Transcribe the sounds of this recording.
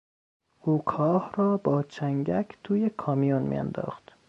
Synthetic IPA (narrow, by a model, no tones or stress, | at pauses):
ʔuːkʰɒːhɾɒːbɒːt͡ʃʰæŋɟækʰt̪ʰuːjekʰɒːmijunmḭːæ̰nd̪ɒ̰ːxt̪